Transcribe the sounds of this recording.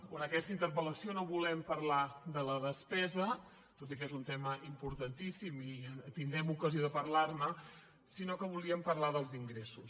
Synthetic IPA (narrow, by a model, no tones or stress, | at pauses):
kwənəkɛst̪əint̪əɾβələsionoβulɛmpəɾlaðələðəspɛzə | t̪ot̪ikɛezunt̪ɛməʔimpuɾt̪ənt̪isimit̪ind̪ɾɛmukəzioðəpəɾlarnə | sinokəβ̞uliəmpəɾlaðəlˠziŋɡɾesus